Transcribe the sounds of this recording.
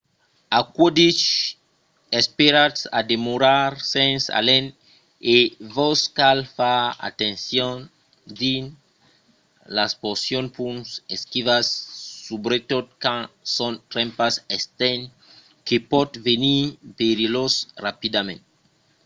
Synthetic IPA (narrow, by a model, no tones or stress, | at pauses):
akwod̪it͡ʃ | espeɾasa̰d̪emoɾaɾsensa̰len | evoskalfaa̰t̪ẽnsjon | d̪in | lasposjonpunseskivasːubɾet̪ot̪̚kãsõnt̪ɾẽmpasest̪en | kepɔt̪venibeɾilosrapid̪amḛ̃nt̪